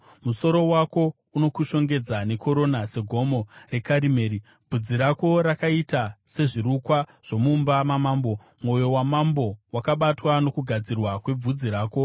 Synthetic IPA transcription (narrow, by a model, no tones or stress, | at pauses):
muso̞ɾo̞wako̞ | uno̞kuʃo̞ŋɡe̞d͡zane̞kʰo̞ɾo̞nase̞ɡʱo̞mo̞re̞kaɾime̞ːɾi | b͡vud͡ziɾako̞ɾakaitase̞ʐiɾukwaʐ̥o̞mumbamamaːmbo̞ | mo̞jo̞wamambo̞wakaɓatwano̞kuɡʱad͡zirwakwe̞b͡vud͡ziɾaːko̞